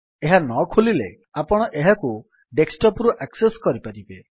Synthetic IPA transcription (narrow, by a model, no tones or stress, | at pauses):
eɦanɔkʰulile | apɔɽ̃ɔʔeɦaku | ɖeksʈɔpɾuʔakseskɔɾipaɾibe